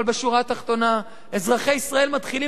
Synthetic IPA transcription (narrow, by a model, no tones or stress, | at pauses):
lbeʃuʁat̪aχt̪o̞na | e̞zʁaχejisʁae̞lmat̪χili